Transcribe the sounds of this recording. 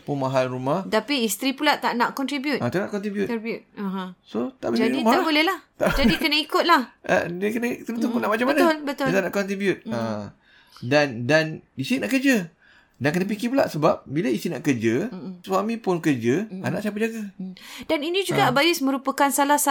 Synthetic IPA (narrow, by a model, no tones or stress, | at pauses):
punmaɦalrumaht̪apiist̪ɾipulaʔt̪aʔnaʔkɔnt̪ɾibjut̪ʔat̪aʔnaʔkɔnt̪ɾibjutibjut̪̚aɦãsot̪aʔbəd͡ʒadiaabolɛhlaht̪aʔd͡ʒadikənaikʊt̪̚laha̰dəkənət̪əɾunt̪ukunaʔmat͡ʃambəanʊlbət̪ʊt̪anãʔkɔnt̪ɾibjut̪̚a | dandanist̪inaʔkərd͡ʒa | daŋkənəp̬ikipula̰ʔsəbap̚bilaist̪ina̰ʔkərd͡ʒaəswamĩpʊnkərd͡ʒəanã̰ʔsiap̬əʔd͡ʒaɡadaninĩd͡ʒuɡabajʊsmə̃ɾupəkansalahsa